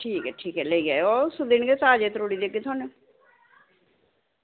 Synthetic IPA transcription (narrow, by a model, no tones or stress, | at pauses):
ʈʰiːkɛːʈʰiːkɛleiɛːosʊd̪inɡet̪aːd͡ʒeːt̪əɾoːɽiːd̪eɡeːt̪ʰaːne